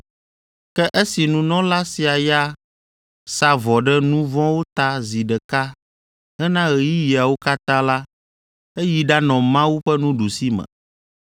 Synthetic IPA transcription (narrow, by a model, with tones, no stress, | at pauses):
kɛ˦ʔe˦si˨nũ˨nɔ̃˦la˦si˨a˨ja˦ | sa˦vɔ˨ɖɛ˦nũ˦vɔ̃˦wo˦t̪a˦zi˨ɖɛ˨ka˦ | ɛ˦nã˦ɣe˨ji˦ji˨a˨wo˦ka˦t̪ã˦la˦ | e˦ji˨ɖa˦nɔ̃˨mã˦wu˦ɸɛ˦nũ˦ɖu˨si˦mɛ̰̃˨